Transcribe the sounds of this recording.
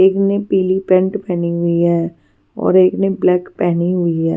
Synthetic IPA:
eːknepiːlipɛ̃ɳʈpɛːniɦʊiɦɛː | ɔ̰ːɾeːkneblɛːkpɛːniɦʊiɦɛ̰ː

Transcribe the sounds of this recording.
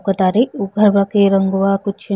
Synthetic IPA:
kɐt̪aɾiuɡʱɐɾbakiɾɐŋɡuʋakut͡ʃʰi

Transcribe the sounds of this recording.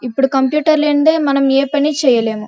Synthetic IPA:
ipːuɽukɐmpjuːʈɐɾleɳd̪eːmɐnɐmeːpɐnit͡ʃɛːjɐle̞ːmu

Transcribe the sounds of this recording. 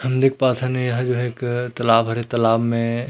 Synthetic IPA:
hɐmd̪eːkʰpaːt̪ʰɛnejɦə̃d͡ʒoɦeːkt̪ɐlaːbɦɐɾet̪ɐlaːbmẽ

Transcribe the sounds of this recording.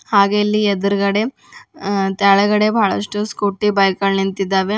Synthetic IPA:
haːɡeɐlːied̪ɐɾɡɐɽe | t̪aːɭɐɡɐɽebʱaːɭɐʂʈuskuʈːibɐjkɐɭnint̪id̪ːaːʋe

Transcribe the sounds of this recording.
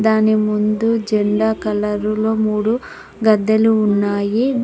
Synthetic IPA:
d̪aːnimund̪ud͡ʒeɳɖaːkɐlɐɾulo̞ːmuːɽu | ɡɐd̪ːɐluːnːaːji

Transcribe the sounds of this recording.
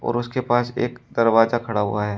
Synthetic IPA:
ɔ̰ːɾʊskepaːsḛːkd̪ɐɾʋaːzakʰɐɽaɦʊ̰aɦɛː

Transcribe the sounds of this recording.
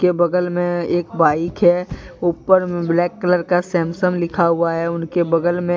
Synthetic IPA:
kebɐd̪əlmẽeːkbaːɪkɦɛuːpəɾmẽblɛːkːələɾkasɛːmsəmlɪkʰaɦʊaɦɛʊnkebɐd̪əlmẽ

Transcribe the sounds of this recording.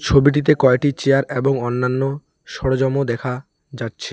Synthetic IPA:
t͡ɕʰobiʈ̬it̪̬ekɔeʈit͡ɕeaɾeboŋɔnːanːo | ʃɔɽod͡ʑɔmod̪ɛkʰa | d͡ʑatːɕʰe̥

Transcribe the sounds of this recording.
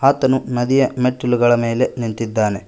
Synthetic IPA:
aːt̪ɐnunɐd̪ijɐmeʈːuluɡɐɭɐme̞ːle̞nint̪id̪ːaːne̞

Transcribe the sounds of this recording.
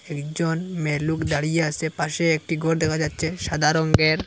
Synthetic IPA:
ekd͡ʒonmelukd̪aɽijeasepaʃeek̚ʈiɡʱoɾd̪ɛkʰad͡ʑatːɕʰeʃad̪ʱaɾɔŋɡeɾ

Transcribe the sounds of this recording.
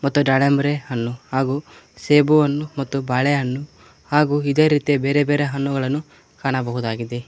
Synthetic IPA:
mɐt̪ːuɖɐɽembɾehɐnːuhaːɡuː | seːbuʋɐnːumɐt̪ːubɐɭeɦɐnːu | haːɡuːid̪eːɾiːt̪ijebeːɾebeːɾeɦɐnːuɡɐɭɐnːu | kaːɳɐbɐɦud̪aːɡid̪e

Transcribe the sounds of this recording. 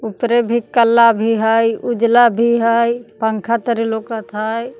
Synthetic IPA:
upɾebʱikəlːabʱiɦəjʊd͡ʒlabʱiɦəjpəŋkʰat̪əɾilokət̪ʰaːj

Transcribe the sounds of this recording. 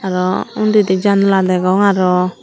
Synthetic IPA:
aɾɔundidɛd͡ʒanɔladɛɡɔŋaɾɔ

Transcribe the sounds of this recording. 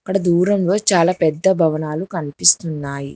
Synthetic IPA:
ɐkːɐɽɐd̪uːɾɐmlo̞ːt͡ʃaːlaːpɛd̪ːɐbʱɐʋɐnaːlukɐnipist̪unːaːjḭ

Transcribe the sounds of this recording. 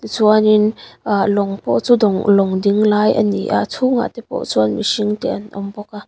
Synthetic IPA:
t̪it͡suaninlɔŋpɔ̰ʔt͡suːdɔŋlɔŋdiŋlaːjʔə̰nḭʔa̰t͡sʰuŋa̰t̪ɛpɔ̰ʔt͡suʔanmisiŋt̪ɛʔɐnʔɔmbɔka

